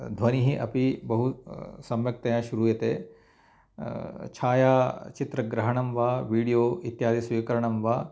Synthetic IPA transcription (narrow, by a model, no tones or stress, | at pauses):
d̪ʱʋɐniɦiʔɐpibɐɦusɐmjɐk̚t̪ɐjãʃuɾuːjɐt̪eː | t͡ʃʰaːjaːt͡ʃit̪ɾɐɡɾɐɦɐɳɐmʋaːʋiːɽijoːʔit̪jaːd̪isʋiːkɐɾɐɳɐmʋaː